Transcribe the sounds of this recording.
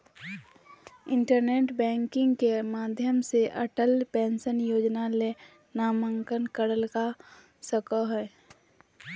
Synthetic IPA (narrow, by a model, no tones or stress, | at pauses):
ɪ̃ɳʈəɾneːʈbɛ̃ːŋkɪ̃ŋɡkemaːd̪ʱjəmseʔəʈəlpẽːnsənjoːd͡ʒnale | naːməŋkənkəɽəlka | səkəɦɛː